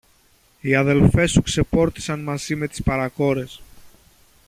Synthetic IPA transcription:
iɐðe̞lfe̞sukse̞po̞ɾt̪i̥sɐnmɐzime̞t̪i̥spɐɾɐko̞ɾe̞s

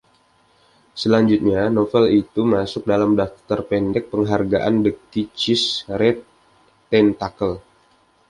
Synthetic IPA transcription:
səlaɲd͡ʒut̪̚ɲanofɛlit̪umasʊk̚dalamdaf̚t̪t̪ərpɛndɛk̚pəŋɦarɡaʔandəkit͡ʃɪsɾɛt̪ː | ɛnt̪akəl

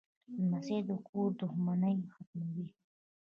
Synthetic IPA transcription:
mased̪ukʰuɾd̪ʊxmanajmxat̪mawi

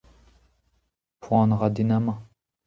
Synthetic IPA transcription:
fɑ̃nʁad̪inamɑ̃

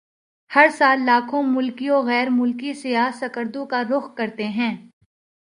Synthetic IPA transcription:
hɐɾsaːlːaːkʰõmʊlkioɣɛːɾmʊlkisɪjaːsɐkəɾd̪õkaɾʊxkɐɾt̪eɦɛ̃ː

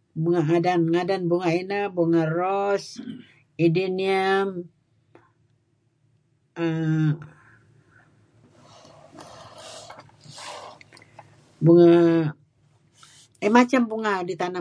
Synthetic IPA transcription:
buŋaŋadanŋadanbuŋainabuŋarɔs | idiniəm | ə | buŋa | ɛmat͡ʃambuŋadit̪ana

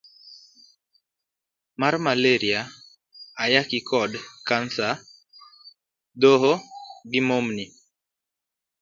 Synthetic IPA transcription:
marmaleɾiaː | jakikʰɔdkansa | doɦoɡɪmomni

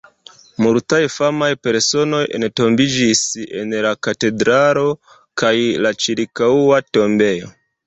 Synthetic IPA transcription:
muɾtajfamajpe̞ɾso̞no̞je̞̰nto̞mbid͡ʒise̞̰nlakate̞dɾalo̞ | kajlat͡ʃiɾkauato̞mbe̞jo̞̰

